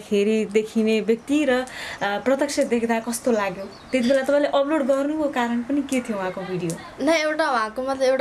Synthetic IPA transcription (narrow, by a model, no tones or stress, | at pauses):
kʰeɾid̪ekʰinebjʌk̚t̪iɾʌprʌt̪ʌk̚sʰʌd̪ekʰd̪akʌst̪olaɡjo | t̪et̪ibʱelat̪ʌpãĩleʔʌploɖɡʌrnukokaɾʌɳpʌniket̪ʰijowɦãkobʱiɽijo | nʌewʈawũɦãkomʌt̪leewʈ